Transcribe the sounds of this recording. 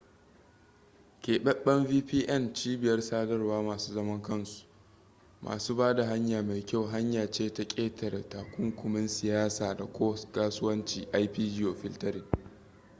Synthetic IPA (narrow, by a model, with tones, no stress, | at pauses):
kʲeː˨ɓɛ˦ɓɛ˦mviː˦ɸiː˦ʔɛ˦˨nt͡ʃiː˦bɪ˨jɐ˦rsaː˦dɐ˦rwaː˦maː˨suː˦zɐ˦mɐ˦ŋkɐ˦nsu̥˨ | mʔa̰ː˨suː˦baː˦da˨ɦa˦ɲjaː˨ma˨jkʲa˦˨wɦa˦ɲjaː˨t͡ʃeː˦ta˨kʲʼeː˦tʰɐ˨rtaː˨kʷʊ˦ŋkʷʊ˨mɪ˦nsɪ˨jaː˦saː˨da˨kʷoː˦skaː˦sʊ˦wɐ˦nt͡ʃiː˨ʔa˦jɸiː˦d͡ʒɪ˦oː˨ɸɪ˦ltɐ˦ɾiː˨